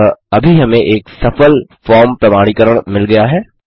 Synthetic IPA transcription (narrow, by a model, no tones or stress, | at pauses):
ɐbʱiɦɐmẽʔeːksɐfəlfɔːɾmpɾɐmaːɽ̃ikəɾəɽ̃mɪlɡɐjaɦɛː